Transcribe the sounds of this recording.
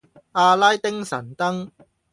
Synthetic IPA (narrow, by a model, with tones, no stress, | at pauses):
aː˧laː˥jt̪ɪ˥ŋsɐ̰˨˩nt̪ɐ˥ŋ